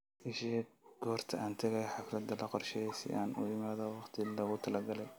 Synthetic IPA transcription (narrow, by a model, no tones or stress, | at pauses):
ʔɪʃɛɡ̥ɔːrt̪ʰɐʔaːnt̪ʰɐɣɛjħɑflɐd̪ɐlɐqɔrʃɛjsɪ̰ʔaːnʊ̰jɪmaːðɐwɑqt̪ʰɪlɐɣʊt̪ʰɐlɐɡɐlɛj